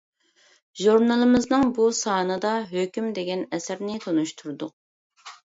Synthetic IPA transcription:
ʒuɾnɑlˠɨmɪznɨŋbusɑːnɨd̪ɑɦøkʲymd̪eɡʲɛnɛsɪɾnɪt̪ʰonuʃt̪ʰuɾd̪ʊq̚

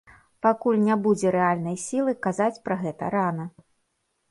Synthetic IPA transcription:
pakulʲnʲabud͡zʲɛɾɛalʲnɐjsʲilˠɨkazat͡sʲpɾɐɣɛt̪ɐ̰ɾanɐ

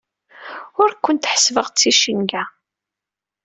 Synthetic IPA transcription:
ʊɾkːʊnt̪ħə̥svəʁt͡sːiʃənɡæ

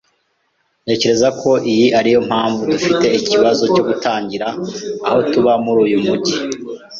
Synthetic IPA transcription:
ne̞ːce̞ɾe̞zakʰo̞ʔijiaɾijo̞m̥haːɱvudufite̞iciβazo̞co̞ːɡutaːɲɟiɾaːho̞tuβamuɾuːjumuɟi

